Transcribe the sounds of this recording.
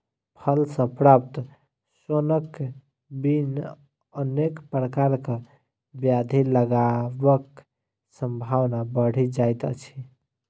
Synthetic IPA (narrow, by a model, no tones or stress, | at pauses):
pʰəlsə̃pɾap̚t̪ | sonək | bin | ənekpɾəkaɾke | bjad̪ʱiləɡabək | səmbʱawnabəɽ̤id͡ʒajt̪ə̰t͡ʃʰi